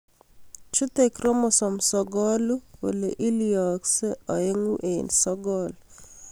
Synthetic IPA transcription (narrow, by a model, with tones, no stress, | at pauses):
t͡ʃu˦t̪e˨kɾɔ˦mɔ˨sɔ˨msɔɡɔ˦lu˦o̰˨le˨ʔi˦liɔ˨kse˦ɔ˨e˦ŋu˦ʔe˨nsɔɡɔl